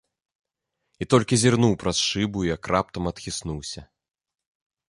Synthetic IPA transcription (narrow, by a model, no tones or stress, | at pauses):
it̪ɔlʲkʲizʲirnuwpɾɐsʂɨbuijakrʔap̚t̪ɐmɐt̪xʲisnuwsʲɐ